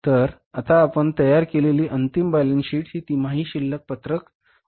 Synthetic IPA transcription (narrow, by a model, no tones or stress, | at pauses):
t̪əɾ | at̪aːpəɳt̪əjaɾkeleliːʔənt̪imbalənɕiːʈɦiːt̪im̤aɦiːɕilːək̚pət̪ɾək